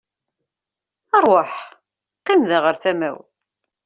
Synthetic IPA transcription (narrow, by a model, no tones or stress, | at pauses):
ɑɾˤwaħ | qːimðaʁəɾθæmæ̰w